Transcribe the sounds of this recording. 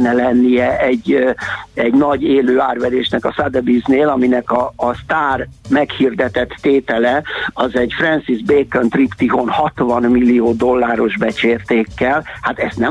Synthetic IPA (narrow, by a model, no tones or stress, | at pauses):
nːɛlɛnːijɛʔɛɟː | ɛɟnɒɟeːløːaːrʋɛd̪eːʃnɛkɒsad̪ɛbizneːlɒminɛkɒːst̪aːrmɛkhird̪ɛt̪ɛt̪ːeːt̪ɛlɛɒzɛɟfrɛnsizbeːkønt̪ript̪iɦonhɒt̪vɒnmilːijoːd̪o̞lːaːɾo̞ʒbɛt͡ʃeːrt̪eːkːɛlhat̪ɛst̪nɛ